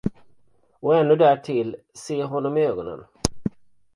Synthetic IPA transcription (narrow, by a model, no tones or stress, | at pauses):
ɔɛnːɵd̪æʈʰɪl | seːɦɔnːɔmøːɡɔnə̰n